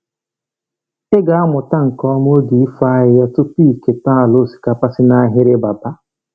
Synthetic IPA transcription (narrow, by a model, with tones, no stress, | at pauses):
ɪ˦ɡa˨a˦mʊ˨ta˦ŋ̩˨kɔ˦m˦o˦di˨i˦fa˦ɦɪ˦ja˦tʊ˦pi˦˨ke˨ta˦a˨lo˦˨si̥˨ka˦pa˦sɪ˦na˦ɦɪ˦ɾɪ˦ba˨ba˦